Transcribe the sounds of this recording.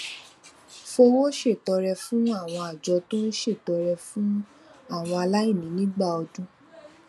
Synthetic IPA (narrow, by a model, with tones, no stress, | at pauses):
fo˧wo˦ʃe˦˨tɔ˨˧ɾɛ˧fũ˦a˦˨w̃ɔ̃˧a˨d͡ʒɔ˧tũ˦ʃe˦˨tɔ˨˧ɾɛ˧fũ˦ | a˦˨w̃ɔ̃˧a˧la˦i˦˨nĩ˨˦nĩ˦ɡ͡ba˦˨ɔ˧dũ˦